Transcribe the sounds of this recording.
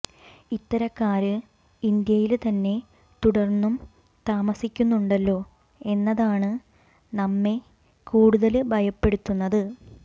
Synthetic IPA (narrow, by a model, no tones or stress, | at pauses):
it̪ːɐɾɐkːaːɾɨ | ind̪jɐjilt̪ɐnːe̞ | t̪uɽɐrnːum | t̪aːmɐsikʲːunːuɳɖɐlːo̞ː | e̞nːɐðaːɳɨ | nɐmːe̞ | kuːɽuðɐlɨbʱɐjɐpːe̞ɽut̪ːunːɐðɨ